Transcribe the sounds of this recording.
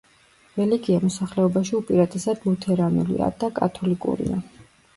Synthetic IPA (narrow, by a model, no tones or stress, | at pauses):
ɾɛliɡiamɔsaχlɛɔbaʃiupʼiɾat̪ʰʼɛsad̪lut̪ʰɛɾanulḭa̰d̪̥akʼa̰t̪ʰɔlikʼṵɾḭa̰